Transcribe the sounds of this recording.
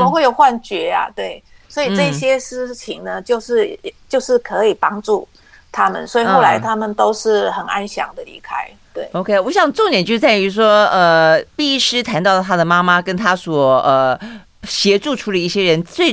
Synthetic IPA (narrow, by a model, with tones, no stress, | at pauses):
o˧˥xwe˥˩ɪjo˨˩ʊxwa˥˩nt͡ɕɥɛ˧˥a̰˧t̪we˥˩ɪswɔ˧˥i˨˩˥ʈ͡ʂɤ˥˩i˧ɕjɛ˥ʂɻ̩˥˩t͡ɕʰi˧˥ŋnə˦t͡ɕjo˥˧ʊʂɻ̩˥˩˨t͡ɕjo˥˧ʊʂɻ̩˥˩kʰɤ˧˥i˨˩pɑ˥ŋʈ͡ʂu˥˨˩ | t̪ʰa˥mə̰˨nswɔ˧˥i˨˧o˥˩ʊla˧˦ɪt̪ʰa˥mə˨nt̪o˥ʊʂɻ̩˥˩xə˨˩na̰˦nɕjɑ̰˧˥ŋd̪ə˨lḭ˧˥kʰa˥ɪ | t̪we˥˩ɪo˧kʰe˥wɔ˧˦ɕjɑ˨˩ŋʈ͡ʂo˥˩njɛ˨˥nt͡ɕjt͡sa˥˩ɪy˧˥ʂ̬wɔ˥ə˧pi˥˧i˥ʂɻ̩˥t̪ʰa˧˥nt̪ɑ˥˩ʊlə˩a˥d̪ə˨˩ma˥ma˦kə˥nt̪ʰa˥swɔ˨˩ə˩ | ɕjɛ˧˥ʈ͡ʂu˥˩ʈ͡ʂʰu˥lə˨i˥˩ɕjɛ˥ɻə˧˦nt͡swe˥˩